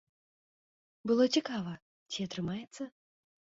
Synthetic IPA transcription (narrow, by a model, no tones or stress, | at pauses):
bɨlˠotʲɪkavə | tʲiɐt̪ɾɨmajɪt̪sə